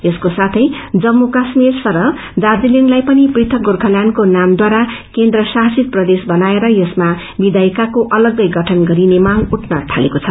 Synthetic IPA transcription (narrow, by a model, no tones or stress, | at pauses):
eskosat̪ʰʌjd͡zʌmːukasmirsʌɾʌ | d̪ad͡zileŋlajpʌniprit̪ʰʌɡorkʰʌljankonamd̪waɾakend̪rʌsaɦsit̪̚prʌd̪esbʌnaeɾʌjʌsma | bid̪ajkakoʔʌlʌɡːʌjɡʌʈʰʌnɡʌɾinemaŋɡuʈʰnʌʈʰalekot͡sʰʌ